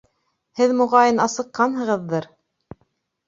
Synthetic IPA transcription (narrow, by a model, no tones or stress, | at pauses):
hɘðmŭʁɑjɤnɑsɤ̆qːɑnɦɤ̆ʁɤðːɤɾ